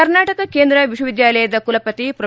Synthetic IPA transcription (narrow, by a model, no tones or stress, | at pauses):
ɐɾnaːʈɐkɐkeːnd̪ɾɐʋiʃwɐʋid̪jaːlɐjɐd̪ɐkulɐpɐt̪ipɾɐ